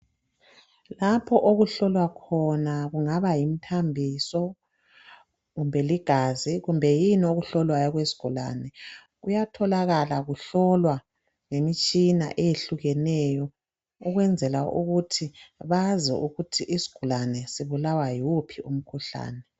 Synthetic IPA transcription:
lapʰɔʔoɣuɬɔlwakʰɔnaɣuŋaβajim̩tʰambʱisɔ | ɣumbʱɛliɡ̥ʱaziɣumbʱɛjinoɣuɬɔlwajɔɣwesi̥ɡ̥ʱula̰nɛ | ɣujatʰɔlaɣalaɣuɬɔlwa | ŋemit͡ʃʼina̰ʔejeɬuɣɛnɛjɔ | uɣwɛnd͡zʱɛlaṵɣutʰiβazɛ̰ʔuɣutʰiʔisi̥ɡ̥ʱulanɛsiβulawajupʰiʔum̩kʰuɬa̰ːnɛ

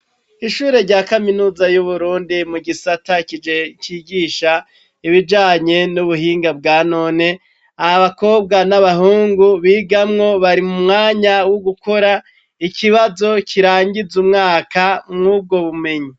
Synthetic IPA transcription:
iʃuːɾe̞ɾɟaːkaminuːzajuβuɾuːndimuɡisatacid͡ʒe̞ciːɡiːʃa | iβid͡ʒaːɲe̞nuβuhiːŋɡab̚ɡaːnoːne̞ | ahaβako̞ːb̚ɡanaβaɦuːŋɡuβiːɡamŋo̞βaɾimumŋaːɲawoɡuko̞ɾa | ikʰiβazo̞cʰiɾaːɲɟizumŋaːkamŋuːb̚ɡo̞βume̞ɲi

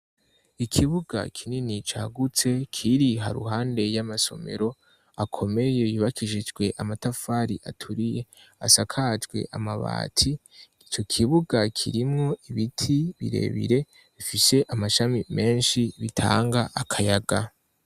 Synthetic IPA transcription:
ikʰiβuɡa̰kʰininit͡ʃaɡut͡se̞kʰiɾiɦaɾṵɦaːnde̞jamaso̞̰me̞̰ɾo̞ | akʰo̞me̞je̞juːβakiʒid͡ʒɡwe̞ʔamatafaɾiʔa̰tʰuɾije̞a̰sakʰad͡ʒɡwe̞̰ʔamaβa̰ːtʰi | it͡ʃo̞kʰiβuɡakʰḭɾimŋo̞ʔiβitʰiβḭɾe̞̰βḭɾe̞ | βifise̞ʔamaʃamime̞ːnʃiβitʰa̰ːŋɡaʔakʰajaɡa

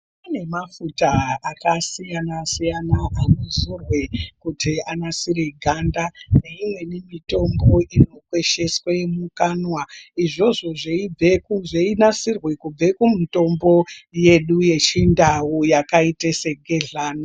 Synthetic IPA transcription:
pane̞mafutaakasijanasijanaʔanozurwekutianasiɾeɡʱandane̞imwe̞nimito̞mbo̞ʔino̞kwe̞ʃe̞swemukanwaiʐo̞ʐo̞ʐeib͡vekuʐeinasirwekub͡ve̞kumito̞mbo̞je̞ɗuje̞t͡ʃindawujakaitese̞ɡʱe̞ɮaːno

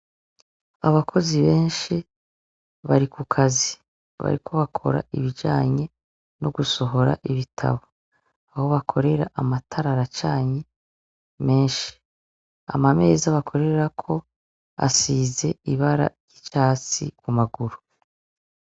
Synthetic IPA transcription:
aβakʰo̞ziβe̞ːnʃi | βaɾikukʰazi | βa̰ɾikʰo̞βakʰo̞̰ɾa̰ʔiβid͡ʒaːɲe̞ | noɡuso̞ɦo̞ɾa̰ʔiβitʰa̰βo | aho̞βakʰo̞ɾe̞ɾaʔamatʰaɾaɾat͡ʃaːɲe̞ | me̞ːnʃi̥ | a̰mame̞ːzaβakʰo̞ɾe̞ɾakʰo̞ | a̰siːze̞iβaɾa̰ɾɟ̥it͡ʃaːt͡sḭkumaɡuɾu̥

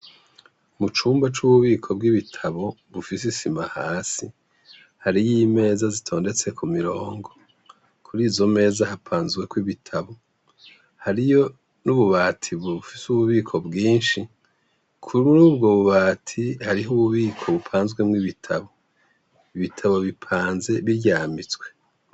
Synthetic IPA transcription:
umut͡ʃuːmbat͡ʃuβuβiːkʰo̞bɡiβitʰaβo̞ | βufisisimahaːsi | haɾijime̞ːzazitʰo̞ːnde̞t͡se̞kʰumiɾoːŋɡo̞ | kʰuɾiːzo̞me̞ːzahapʰaːnzɡwe̞kwiβitʰaβo̞ | haɾijo̞ | nuβuβaːtʰiβufisuβuβiːkʰo̞bɡiːnʃi | kʰuɾuubɡo̞βuβaːtʰihaɾiɦuβuβiːkʰo̞βupʰaːnzɡwe̞mŋiβitʰaβo̞ | iβitʰaβo̞βipʰaːnze̞βiɾɟaːmit͡sɡwe̞

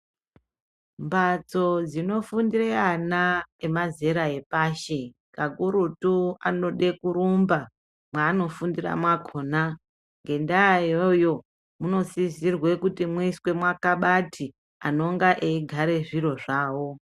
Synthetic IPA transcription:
mbat͡so̞d͡zino̞fundireanaemaze̞ɾae̞paːʃe | kaɡuɾutuano̞ɗe̞kuɾumba | mwaːno̞fundira̰mwakʰoːna | ŋɡe̞ndajojo̞ | muno̞sizirwe̞kutimwiswe̞mwakaɓatʰi | ano̞ŋɡaʔeiɡʱaɾe̞ʐiɾo̞ʐaːwo̞

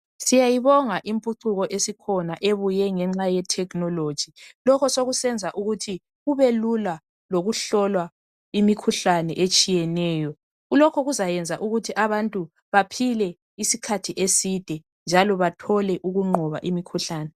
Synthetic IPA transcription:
sijajiβɔŋaʔimpʼuǀʰuɣɔʔesikʰɔnaʔeβujɛŋɛŋ͡ǁajɛtʰɛknɔlod̥ʒ̥ʱilɔkʰɔsoɣusɛnd͡zʱaʔuɣutʰi | ɣuβelula | loɣuɬɔlwa | imikʰuɬanɛʔet͡ʃʼijɛnɛːjɔ | ɣulɔkʰɔɣuzajɛnd͡zʱaʔuɣutʰiʔaβantʼu | βapʰilɛ | isikʰatʰiʔesid̥ʱɛ | nd͡ʒʱalɔβatʰɔlɛʔuɣuŋ͡ǃʱɔβa̰ʔimikʰuɬaːnɛ

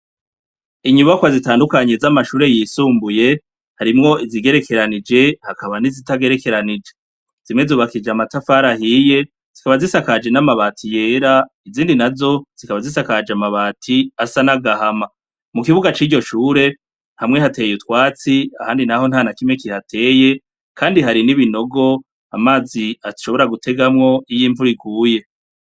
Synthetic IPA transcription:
iɲuβakwazitaːndukaɲe̞zamaʃuːɾe̞jiːsuːmbuje̞ | haɾimŋo̞ʔiziɡe̞ɾe̞kʰe̞ɾanid͡ʒe̞hakaβanizitaɡe̞ɾe̞ke̞ɾanid͡ʒe̞ | z̥imŋe̞zuːβakid͡ʒamatafaɾahiːje̞ | z̥ikaβazisakad͡ʒe̞namaβaːtʰijeɾa | iziːndinazo̞z̥ikaβazisakad͡ʒeamaβaːtʰiasanaɡahama | mukiβuɡat͡ʃiːɟo̞ʃuːɾe̞ | nhamŋe̞ɦate̞ːjutwaːt͡siahaːndinaɦo̞nhaːnakimŋe̞kihatʰe̞ːje̞ | kʰaːndiɦaɾiniβino̞ɡo̞ | amaːziaʃo̞βo̞ɾaɡutʰe̞ɡamŋo̞ijiːɱvuɾiɡuːje̞

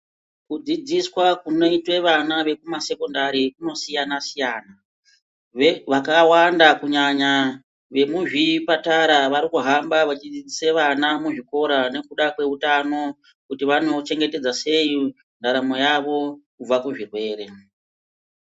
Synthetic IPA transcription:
kud͡zid͡ziswakuno̞itwe̞ʋanaʋe̞kumase̞ko̞ndaɾikuno̞sijanasijaːna | ʋakawandakuɲaɲa | ʋe̞muʐipataɾaʋaɾikuɦambaʋat͡ʃid͡zid͡ziseʋanamuʐiko̞ɾane̞kuɗakwe̞ɦutano̞ | kutiʋano̞t͡ʃe̞ŋɡe̞te̞d͡zase̞ji | ndaɾamo̞jaʋo̞kub͡vakuʐirwe̞ːɾe̞

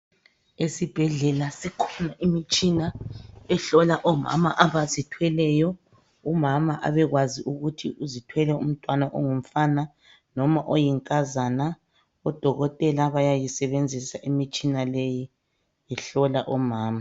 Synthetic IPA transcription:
esib̥ʱɛɮɛlasikʰɔ̥naʔimit͡ʃʼinaɛɬɔlaʔɔma̰ma̰ʔaβazitʰwɛlɛjɔ | umamaʔa̰βɛɣwaziʔuɣutʰiuzitʰwɛlɛum̩tʼwanaʔɔ̰ŋum̩fana | nɔmaʔojiŋkʼazana | ɔd̥ʱɔɣɔtʼɛlaβajajisɛβend͡zʱisaʔimit͡ʃʼinaleji | ɛɬɔlaʔɔmaːma

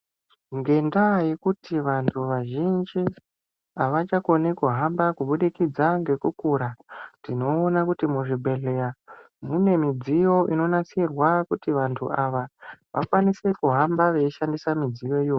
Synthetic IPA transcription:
ŋɡe̞ndajekutʰiʋantʰuʋaʒind͡ʒi | aʋat͡ʃakonekuɦambakuɓuɗikid͡zaŋɡe̞kukuɾatdino̞ːnakutimuʐibʱe̞ɮeja | mune̞mid͡zijo̞ʔino̞nasirwakutiʋantʰṵʔaʋaʋʔa̰kwanise̞kuɦambaʋe̞iʃandisamid͡zijo̞ioː

